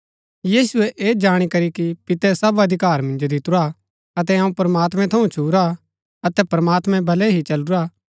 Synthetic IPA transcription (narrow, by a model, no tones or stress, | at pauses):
jiːsʊɛʔeːd͡ʒaːɽ̃ikɐɾikipɪt̪ɛsɐbɐd̪ʱɪkaːɾmɐ̃nd͡ʒod̪ɪt̪ʊɾa | ɐt̪ɛɐũpɾɐmaːt̪mɛ̃t̪ʰɐũt͡ʃʰuːɾa | ɐt̪ɛpɾɐmaːt̪mɛ̃bʱɐlɛɦit͡ʃɐlʊɾaː